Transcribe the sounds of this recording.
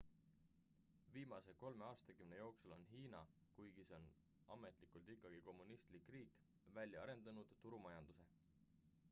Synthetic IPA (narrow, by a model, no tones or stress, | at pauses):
viːmɑse̞ko̞lme̞ɑːst̪ɑkymne̞jo̞ːksulo̞nɦiːnɑ̰ | kujɡ̥iseon | ɑme̞t̪ˑlikˑult̪ikːˑɑɡ̥iko̞mːunist̪likːˑriːk | vælʲjɑɑɾe̞nd̪̥ɑnud̪̥t̪ːuɾumɑjɑnd̪̥use̞